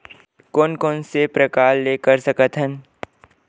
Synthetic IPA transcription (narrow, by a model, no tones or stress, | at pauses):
koːnkɔːnsepɾəkaːllekəɾsɐkət̪ɦən